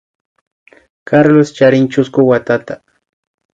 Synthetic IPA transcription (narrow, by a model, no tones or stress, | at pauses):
kaɾlost͡ʃaɾɪŋt͡ʃʊskʊwat̪at̪a